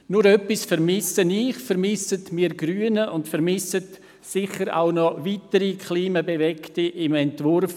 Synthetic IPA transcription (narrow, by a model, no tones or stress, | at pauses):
nʊɾœpːisfɛɾmɪsəniχfɛɾmɪsətmiːɡɾyːənəʔʊntfɛɾmɪsət | sɪχəɾa̰ʊnɔvitəɾikʰχliːmabevɛktiʔɪmɛntvʊrf